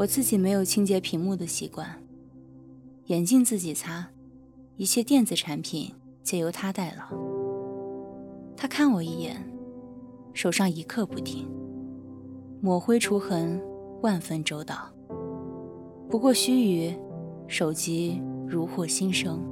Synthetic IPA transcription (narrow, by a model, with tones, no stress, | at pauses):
wɔ˨˩t͡sɹ̩˥˩t͡ɕi˨˩me˧˥ɪjo˨˩ʊt͡ɕʰi˥ŋt͡ɕjɛ˧˥pʰi˧˥ŋmu˥˩d̪ə˩ɕi˧˥kwa˥˩n | jɛ˨˩nt͡ɕi˥˧nt͡sɹ̩˥˩t͡ɕi˨˩t͡sʰa˥ | i˥˩ɕjɛ˥t̪jɛ˥˩nt͡sɹ̩˨˩ʈ͡ʂʰa˧˥npʰi˨˩˦n | t͡ɕjɛ˧˥jo˧˥ʊt̪ʰa˥t̪a˥˩ɪlə̰˨˩ | t̪ʰa˥kʰa˥˩nwɔ˨˩i˥˩jɛ̰˨˩˦n | ʂo˨˩ʊʂɑ˥˩ŋi˧˥kʰɤ˥˧pu˥˩t̪ʰi˥ŋ | mwɔ˨˥˩xwe˥ɪʈ͡ʂʰu˧˥xə˧˥n | wa˥˧nfə˥˧nʈ͡ʂo˥ʊt̪ɑ˨˩˦ʊ | pu˧˥kwɔ˥˩ɕy˥y˧˥ | ʂo˨˩ʊt͡ɕi˥ɻu˧˥xwɔ˨˩ɕi˥nʂɤ˥ŋ